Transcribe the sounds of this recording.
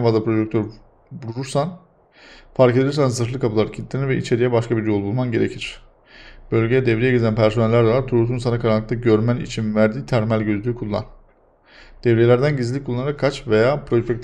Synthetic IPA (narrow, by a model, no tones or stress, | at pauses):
nfazlˠapɾo̞d͡ʒɛk̚t̪ʰøɾ | buɾuɾuɾsan | faɾkʰe̞d̪ʲiɾsænzsɯɾlˠɯkʰapulˠaɾɯcʰit̪lːeniɾvɛit͡ʃʰe̞ɾijɛbaʃkabiɾjo̞lˠbulˠmanɟe̞ɾe̞cʰiɾ̝̥ | b̥ø̞lʲɟejɛd̪ɛvɾijɛɟezænpʰæɾso̞nɛlʲːæɾd̪alˠaɾt̪ʰuɾuɾt̪ʰunsanakʰaɾanˠːɯkt̪aɟøɾmænḭt͡ʃʰinvæɾd̪iːt̪ʰæɾmælʲɟø̞zlʲyːkʰulˠːa̰n | d̪̥ɛvɾelʲæɾd̪ænɟizlʲickʰulˠːanɯɾakʰːat͡ʃvejaːpʰɾo̞ʃpɛk̚t̪ʰ